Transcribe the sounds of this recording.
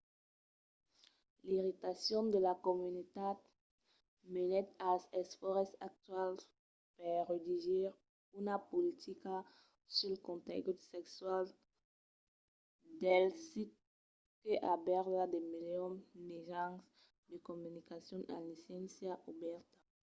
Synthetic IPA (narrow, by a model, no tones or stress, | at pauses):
liʁit̪asjɔ̃nd̪əlakomynit̪ad̪ | menɛt̪alsɛsfɔʁsak̚t̪wals | pɛʁed̪iʒiʁ | unapolit̪ʰika | sylkɔ̃nt̪ḛɡut̪sɛkswal | d̪ɛlsit̚ | keʔabɛʁlad̪emeljɔmeʒãns | d̪əkomynikasjɔ̃na̰lisɛ̃nsjaʔubɛʁt̪ḁ